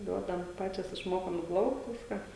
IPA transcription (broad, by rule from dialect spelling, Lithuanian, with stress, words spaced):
ˈduɔdɐm ˈpɑːt͡ʃʲoːs ɪʃˈmoːkoːm ɪ ˈplˠɐʊkt ˈʋʲɪskɑː